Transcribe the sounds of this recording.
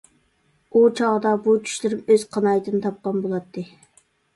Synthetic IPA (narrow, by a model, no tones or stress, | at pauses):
ut͡ʃʰɑʁəd̪ɑbut͡ʃʰy̥ʃlɪɾɪmøz̥qʰɑnɑjt̪ʰɨnɨt̪ʰɑp̚qɑnbolˠɑt̪ʰːɨ